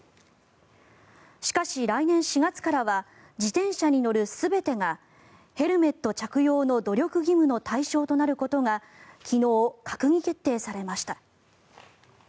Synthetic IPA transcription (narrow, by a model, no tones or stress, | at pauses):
ɕi̥kaɕiɾainẽ̞ɰ̃ɕiɡat͡sɨ̥kaɾaβa | d͡ʑit̪ẽ̞ɰ̃ɕaɲ̟ino̞ɾɯ̟sɨbe̞t̪e̞ŋa | he̞ɾɯ̟me̞t̪ːo̞t͡ɕakɯ̟jo̞ːno̞d̪o̞ɾʲo̞kɯ̟ɡʲimɯ̟not̪aiɕo̞ːt̪o̞naɾɯ̟ko̞t̪o̞ŋa | kʲʰino̞ːkʰakɯ̟ɲ̟ʲike̞t̪ːe̞ːsaɾe̞maɕi̥t̪a